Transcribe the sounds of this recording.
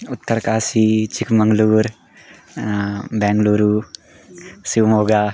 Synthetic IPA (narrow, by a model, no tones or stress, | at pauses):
ʊt̪ːəɾkaːsit͡ʃɪkʰmə̃ŋɡluːɾ | bɛ̃ːŋɡluːɾuː | siʋmoːɡaː